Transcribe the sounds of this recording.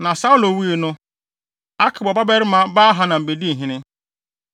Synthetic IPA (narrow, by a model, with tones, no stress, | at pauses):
nã˨sa˦ʊ˦lo˨wi˦e˨nʊ̃˦ | a˦kʰɪ˨bɔ˨ba˦bɛ˦ɾɪ˦mã˨ba˦ɦa˨nã˨m̩˨be˨di˦˨ɦĩ˨nɪ̃˦